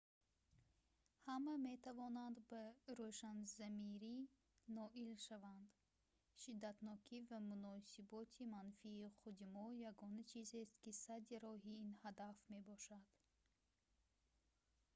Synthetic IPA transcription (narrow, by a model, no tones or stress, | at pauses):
hamame̞t̪ʰavɔnand̪baɾoʃanzamiɾi | nɔʔilʃavand̪ | ʃid̪ːat̪nɔkʰivamunɔsibɔt̪ʰimanfiːχud̪imɔjaɡɔnat͡ʃʰizest̪kisad̪iɾɔɦiinhad̪afme̞bɔʃad̪̥